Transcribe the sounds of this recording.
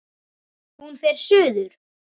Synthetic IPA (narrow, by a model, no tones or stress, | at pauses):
hunfɛɾ̥sʏːðʏɾ̥